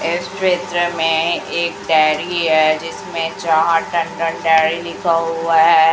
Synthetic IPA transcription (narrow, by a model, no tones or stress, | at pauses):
esʈɾeːt̪ɾəmẽeːk̚ɖɛːɾiɦɛd͡ʒɪsmẽt͡ʃaɦãʈə̃ɳɖə̃ɳɖɛːɽilɪkʰaɦuaɦɛː